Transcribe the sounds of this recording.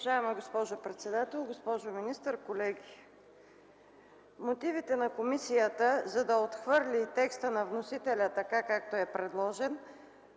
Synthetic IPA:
ʒaɛməɡospɔʒopɾɛt̪sɛd̪at̪ɛlˠɡospɔʒominist̪əɾkolɛɡʲi̥ | mot̪ivit̪ɛnɐkomisijət̪əzɐd̪ɐot̪xvɤɾlʲit̪ɛkst̪ənɐvnosit̪ɛlʲət̪ɐkakak̚t̪oɛpɾɛd̪lˠɔʒɛn

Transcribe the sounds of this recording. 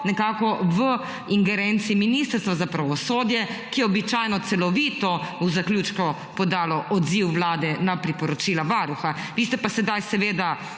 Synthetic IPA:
nɛkaːkɔʋə | iŋɡɛɾent̪siminist̪əɾst̪ʋazapɾaʋɔsoːd̪jɛkijɛɔbit͡ʃajnɔt̪sɛlɔʋiːt̪ɔuzaklʲjuːt͡ʃkɔ | pɔd̪aːlɔʔɔd̪ziwːlaːd̪ɛnapɾipɔɾɔt͡ʃiːlaʋaːɾuxa | ʋiːst̪ɛpasɛd̪ajsɛʋeːd̪a

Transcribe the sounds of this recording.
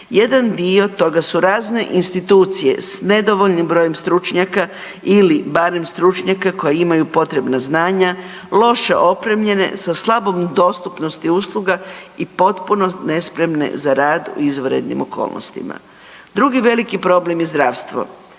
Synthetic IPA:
je̞d̪and̪io̞t̪o̞ɡasuɾaːzne̞ʔinst̪it̪uːt̪sije̞̰sne̞d̪o̞ʋo̞ʎnimbɾo̞je̞mst̪ɾut͡ʃɲaka | ilibaɾe̞mst̪ɾut͡ʃɲakako̞jeimajupo̞t̪ɾe̞bnaznaːɲa | lˠo̞ʃḛʔo̞pɾe̞mʎe̞ne̞̰saslˠabo̞md̪o̞st̪upno̞st̪iuːslˠuɡaipo̞t̪puno̞ne̞spɾe̞mne̞̰zaɾaːd̪ṵizʋɾe̞̰d̪nḭmo̞̰ko̞̰ːlno̰st̪ḭma̰ | d̪ɾuɡiʋe̞likipɾo̞ble̞mjizd̪ɾaːʋst̪ʋo̰

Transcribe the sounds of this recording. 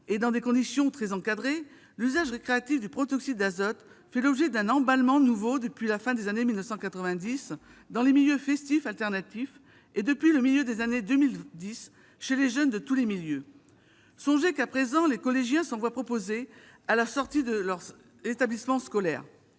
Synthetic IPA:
ed̪ɑ̃d̪ekɔ̃d̪isjɔ̃t̪χɛzɑ̃kad̪ʁe | lyzaʒʁekχeat̪ifd̪ypχɔt̪ɔksit̪̚d̪azɔt̪fɛlɔbʒɛd̪ɛ̃nɑ̃balmɑ̃nuvod̪əpɥilafɛ̃d̪ezanemilnəfsɑ̃kat̪χəvɛ̃d̪isd̪ɑ̃lemiljøfɛst̪ifalt̪ɛʁnat̪if | ed̪əpɥiləmiljød̪ezaned̪əmild̪is | ʃeleʒœnd̪ət̪ulemiljø | sɔ̃ʒekapχezɑ̃lekɔleʒjɛ̃sɑ̃vwapχɔpoze | alasɔʁt̪id̪əlœʁ | et̪ablismɑ̃skɔlɛːʁ

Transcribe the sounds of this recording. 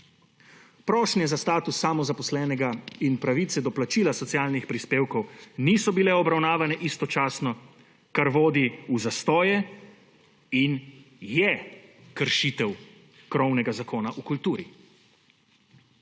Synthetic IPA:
pɾɔːʃnjɛzast̪aːt̪usːaːmɔzapɔslɛːnɛɡainpɾaʋit̪sɛd̪ɔplat͡ʃiːlasɔt̪sjaːlnixpɾispeːwkɔwniːsɔbilɛɔbɾawnaːʋanɛʔist̪ɔt͡ʃaːsnɔ | kaɾʋoːd̪iuzast̪ɔːjɛ | in | jɛkəɾʃit̪ɛw | kɾɔwnɛɡazakoːnaʔukult̪uːɾi

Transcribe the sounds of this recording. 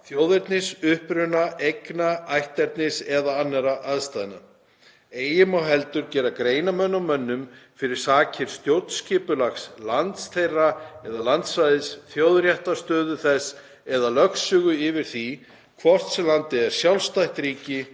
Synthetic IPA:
θjowðɛɾt̪nɪsʏhpɾʏnaʔejknaajht̪ɛɾt̪nɪsɛðaanːɛɾaʔaðst̪ajðɪna̰ | eːjɪmawɦɛlt̪ʏɾcɛːɾakɾeːjnamœnːawmœnːʏmfɪɾɪɾ̥saːcʰɪɾ̥st̪jowt̪n̥scɪːpʏlaxslant̪st̪ʰejrːaɛðalant̪svajðɪsθjoːwðɾjaht̪ast̪œːðʏθɛs | ɛðalœxsʏːɣʏɪvɪɾ̥θi | kʰvɔr̥t̪sɛmlant̪ɪɛɾ̥sjawlst̪ajht̪ɾiːcɪ

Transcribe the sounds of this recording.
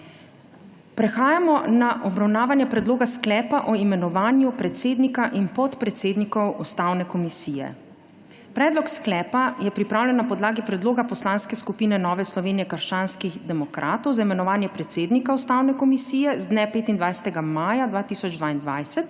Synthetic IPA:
pɾɛxaːjamɔnaʔɔbɾawnaːʋanjɛpɾɛd̪loːɡasklɛːpaʔɔimɛnɔʋaːnjupɾɛt̪seːd̪nikaʔinpɔt̪pɾɛt̪seːd̪nikɔwust̪awnɛkɔmisiːjɛ̰ | pɾɛːd̪lɔksklɛːpajɛpɾipɾaːwlɛnːapɔd̪laːɡipɾɛd̪loːɡapɔslaːnskɛskupiːnɛnɔːʋɛslɔʋeːnijɛkəɾʃt͡ʃaːnskiɣd̪ɛmɔkɾʔaːt̪ɔwzaimɛnɔʋaːnjɛpɾɛt̪seːd̪nikaust̪aːwnɛkɔmisiːjɛzd̪nɛpeːt̪ind̪ʋajsɛ̥t̪ɛɡamaːjad̪ʋaːt̪iːsɔd͡ʒd̪ʋaːind̪ʋajsɛt̪̚

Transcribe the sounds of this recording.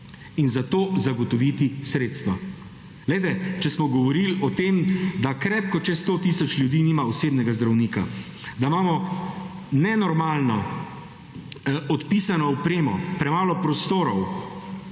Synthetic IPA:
inzat̪oːzaɡɔt̪ɔʋiːt̪isɾeːt̪st̪ʋa | lɛjt̪ɛt͡ʃɛsmɔɡɔʋɔɾilɔt̪eːmd̪akɾɛp̚kɔt͡ʃɛst̪oːt̪isɔt͡ʃlʲjud̪iniːmaɔsebnɛɡazd̪ɾawniːka | d̪amaːmɔ | nɛnɔɾmaːlnɔ | ɔt̪piːsanɔɔpɾeːmɔpɾɛmaːlɔpɾɔst̪oːɾɔw

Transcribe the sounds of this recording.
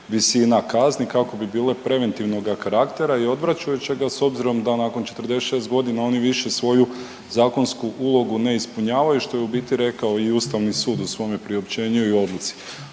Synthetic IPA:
ʋisinakaznikako̞bibiːle̞pɾe̞ʋe̞nt̪iʋno̞ɡakaɾakt̪e̞ɾaio̞d̪ʋɾat͡ʃujet͡ɕe̞ɡaso̞bziɾo̞md̪anako̞nt͡ʃe̞t̪ɾd̪eseʃe̞ːst̪̚ɡo̞d̪inao̞niʋiʃe̞sʋo̞ju | zaːko̞nskuʔulˠo̞ɡune̞ispuɲaːʋajuʃt̪o̞jeubiːt̪iɾe̞kao̞iuːst̪aʋnisuːd̪usʋo̞me̞pɾio̞pt͡ʃe̞ɲuio̞d̪lˠut̪si̥

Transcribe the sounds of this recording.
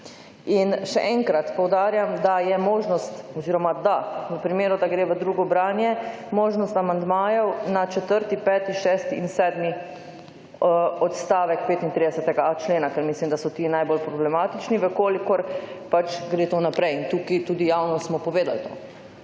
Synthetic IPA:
inʃɛ̰ʔɛŋkɾat̪pɔwd̪aːɾjamd̪ajɛmoːʒnɔst̪ɔziːɾɔmad̪aʋəpɾimeːɾud̪aɡɾeːʋəd̪ɾuːɡɔbɾaːnjɛmoːʒnɔst̪amand̪maːjɔwnat͡ʃɛt̪əɾt̪ipɛːt̪iʃɛːst̪iinsɛːd̪mi | ɔt̪st̪aːʋɛkpeːt̪int̪ɾid̪ɛsɛt̪ɛɡaat͡ʃleːnakɛɾmislimd̪asɔt̪iːnajbolpɾɔblɛmaːt̪it͡ʃniʋəkoːlikɔɾpat͡ʃɡɾeːt̪onapɾɛjint̪ukit̪uːd̪ijawnɔsmɔpɔʋeːd̪a̰lt̪o̰

